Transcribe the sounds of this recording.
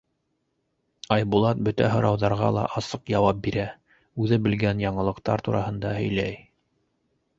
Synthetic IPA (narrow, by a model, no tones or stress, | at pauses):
ɑjbulˠɑt̪̚bɵt̪æ̰ɦɤ̆ɾɑwðɑɾʁɑ̰lˠɑ̰ʔɑsɤqjɑwɑp̚biɾæ | ʉðɘbɘ̆lɡænjɑɴɤ̆lˠɤ̆qt̪ɑɾt̪uɾɑhɤ̆nd̪ɑhɵ̆jlæj